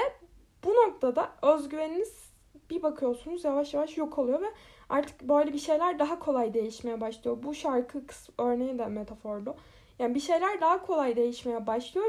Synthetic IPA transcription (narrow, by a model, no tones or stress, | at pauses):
ɛ | b̥uno̞k̚t̪ʰad̪aø̞zɟyveniniz̥ | bibakʰɯjo̞sunuzjavaʃjavaʃjo̞kʰolˠujo̞vɛa̰ɾt̪ʰɯ̥kbø̞jlʲɛbiʃe̞jlʲæɾd̪aɦakʰo̞lˠajd̪e̞jiʃme̞jɛbaʃlˠɯjo̞buʃaɾkʰɯkʰɯ̥sø̞ɾne̞jind̪ɛmet̪ʰafo̞ɾd̪ˠu | jaːnibiʃe̞jlʲæɾd̪aɦakʰo̞lˠajd̪e̞jiʃme̞jɛbaʃlˠɯjo̞